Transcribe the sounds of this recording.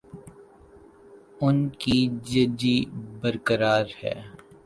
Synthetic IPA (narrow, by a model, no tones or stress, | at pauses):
ʊnkid͡ʒɐd͡ʒibəɾkəɾaːɾhɛ̰ː